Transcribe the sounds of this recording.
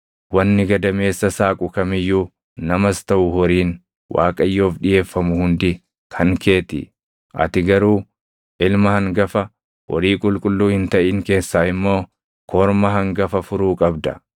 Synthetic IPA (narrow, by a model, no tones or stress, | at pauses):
wɐnːɪɡɐd̪ɐme̞ːsːɐsaːkʼʊkɐmɪjːuː | nɐmɐst̪ɐʔʊhɔɾiːn | wʔa̰ːkʼɐjːo̞ːfᶑɪje̞ːfːɐmʊhʊnd̪ɪ | kʰɐŋke̞ːt̪ɪ̰ | ʔɐ̰t̪ɪɡɐɾuː | ʔɪlmɐhɐŋɡɐfɐ | wɔ̰ɾiːkʼʊlkʼʊlːuːhɪnt̪ɐʔiːŋke̞ːsːaːɪmːo̞ː | kʰɔːɾmɐɦɐŋɡɐfɐfʊɾuːkʼɐbd̪ɐ̰